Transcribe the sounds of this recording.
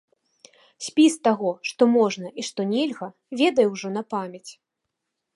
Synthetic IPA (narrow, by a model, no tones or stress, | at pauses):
sʲpʲist̪aɣɔʂt̪ɔmɔʐnɐʔiʂt̪ɔnʲɛlʲɣɐ | vʲɛd̪ɐjɛwʐɔn̪ɐpamʲɐt͡sʲ